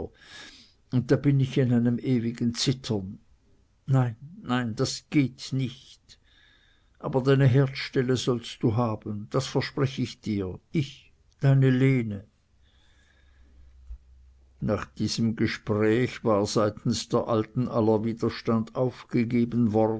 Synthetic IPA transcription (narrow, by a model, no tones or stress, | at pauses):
ʊnt̚d̥aːb̥ɪnɪçɪnaɪnəmʔeːvɪɡnt͡sɪtʰɐnː | aɪnːaɪnd̥asɡ̥eːtnɪçt | ʔa̰ːbɐdaɪnəɦɛɐtʃtɛləzɔlst̚d̥uːɦaːbən̩d̥asfɛɐʃpʁ̥ɛçəɪçd̥iːɐɪç | d̥aɪnəleːnə | naːχd̥iːz̥əmɡəʃpʁɛːçv̥aːʁz̥aɪtn̩sd̥eːɐʔaltn̩ʔalɐviːdɐʃtandaʊfɡ̥əɡeːbən̩vɔʁ